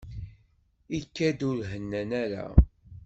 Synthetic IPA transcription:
ikːæd̪ʊɾɦənːænæɾæ̰

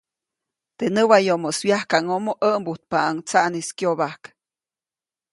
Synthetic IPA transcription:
t̪enəwajomoswjahkaŋomoʔəmbut̪̚paːŋt͡saʔniskjoβahk

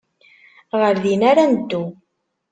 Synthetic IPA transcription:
ʁəɾðinaɾanəd̪ːu

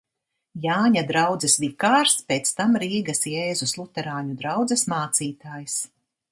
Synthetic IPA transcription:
jaːɲad̪ɾawd̪zɛsvikaːɾspʲeːt̪st̪amɾiːɡasjɛːzuslˠut̪ɛɾaːɲud̪ɾawd̪zɛsmaːt̪siːt̪aːjs

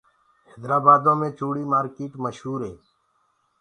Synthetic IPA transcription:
ɦeːd̪ɾaːbaːd̪õːmẽːt͡ʃuːɽiːmaːɾkiːʈməʃɦuːɾɦeː

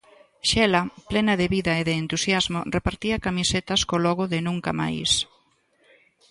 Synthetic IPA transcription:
ʃɛlɐplɛnɐðeβiðɐeðeːnt̪usjazmorepaɾt̪iɐkamiset̪ɐskolɔɣʊðɪnũŋkama̰js

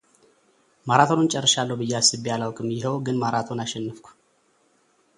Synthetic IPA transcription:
maɾat̪ʰonunt͡ʃʼɛrːəʃalːəwbɨjːasɨbialawkʼɨmjɪɦəwɡɨnmaɾat̪ʰonaʃɛnːɨfkʷʰu̥

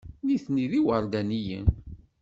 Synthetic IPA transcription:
niθniðiwəɾd̪ænijə̰n

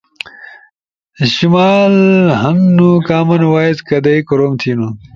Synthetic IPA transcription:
ɕimaːlɦɐŋnukaːmɐnwaːizkɐd̪ɐikuɾoːmt̪ʰiːnu

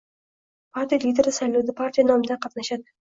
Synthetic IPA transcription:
pʰaɾt̪ʰijalid̪eɾɪsajlawd̪apʰaɾt̪ijanɒmd̪aqʰɑt̪naʃad̪ɪ

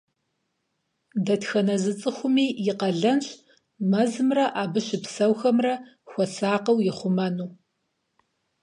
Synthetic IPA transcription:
dɐtxɐnɐzɨt͡sʼɨxʷʊmiːjɪqɐɮɐnɕ | mɐzɨmrɐʔaːbɨɕɪpsɐwxɐmrɐ | xʷɔsaːqɐwjɪχʷʊmɐnuː

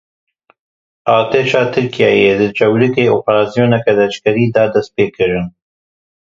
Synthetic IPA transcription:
ʔɑːt̪eːʃɑːt̪ʰɨɾkijɑːjeːd̪ɨt͡ʃɛwlɨkeːoːpɾɑːsijoːnɛkɛd̪ɛt͡ʃkɛɾiːd̪ɑd̪ɐst̪̚peːkʰɨɾɨn

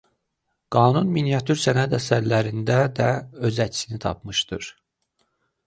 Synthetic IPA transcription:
ɡ̥ɑːnunminijɑt̪ʰuɾsænæd̪æsæɾlæɾind̪æd̪æø̞zæt͡ʃʰsinit̪ʰɑ̰pʰmɯʃd̪ɯɾ̥

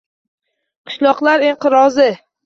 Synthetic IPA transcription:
qʰɨ̥ʃlɒqlˠaɾiɴqɨɾɒzɪ

